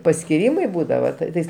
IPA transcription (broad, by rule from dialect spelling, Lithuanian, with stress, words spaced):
pɐsʲkʲɪˈrʲiːmɐɪ ˈbuːdɐʋɐ ˈtɐɪs